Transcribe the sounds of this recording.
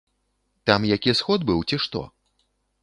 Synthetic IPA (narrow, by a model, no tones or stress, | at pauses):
t̪amjakʲisxɔd̪̚bɨwt͡sʲiʂt̪ɔ̰